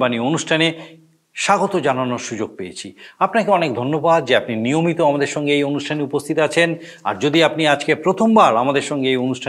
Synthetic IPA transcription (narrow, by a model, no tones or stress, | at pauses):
banionuʃʈʰane | ʃaɡot̪od͡ʑananoɾʃud͡ʑoɡ̚pejet͡ɕʰiapnakeɔnekd̪ʱonːobad̪̚d͡ʑeapninijomit̪oamad̪eɾʃɔŋɡeejonuʃʈʰaneupost̪ʰit̪at͡ɕʰen | a̰ɾd͡ʑod̪iapniad͡ʑkepɾot̪ʰombaɾamad̪eɾʃɔŋɡeejonuʃʈʰa